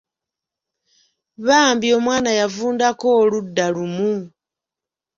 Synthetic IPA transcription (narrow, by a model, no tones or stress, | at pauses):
βaːmbio̞mwaːnajavuːndakoːludːalumu